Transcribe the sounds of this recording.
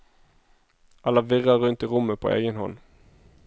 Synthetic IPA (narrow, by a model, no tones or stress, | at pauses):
ʔɑlːɑʋɪʁɑʁʉnt̪ɪːʁʊmːəpʰo̰ːʔḛːɡənhɔ̰n